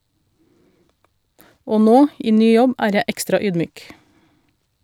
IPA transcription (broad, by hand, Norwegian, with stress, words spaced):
ˈoː ˈnoː ˈʔiː ˈnyː ˈjɔb ˈæːɾ ˈjɛ ˈɛkstɾɑ ˈyːdˌmyːk